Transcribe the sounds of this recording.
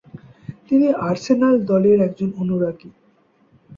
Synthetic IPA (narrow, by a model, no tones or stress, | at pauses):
t̪iniʔaɾsenald̪ɔleɾɛkd͡ʑononuɾaɡi